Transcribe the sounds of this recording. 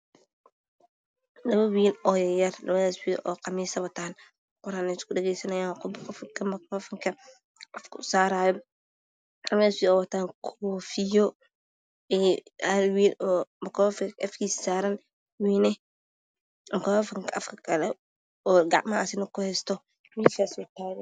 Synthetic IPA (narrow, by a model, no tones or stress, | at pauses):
lɐβɐwiːlɔːjjɐrlɐ̰βɐðaːswiːʔɔːqɐmiːsɐβɐt̪ʰaːn | qʊɾaːnɛskʊdɛɣɛjsɐnɐjaːqʊbkɔfkʰɐmɐkʰɾɔfɐŋkʰɐ | ʔɐfkʰʊ̰saːɾaːjɔ | lɐβɐðaːswiːɔːwɐt̪ʰaːŋkʰɔːfɪjɔ | ɛhɐlwiːlɔːmɐkɔfkɐfkiːssaːɾɐn | wiːnɛ | mkɐafɐŋkʰɐʔɐfkʰɐ̥kʰɐlɛ | ɔːɡa̰ʔmaːsɪnɐkʊhɛːst̪ɔ | wiːlfaːswɐt̪ʰaːjɔ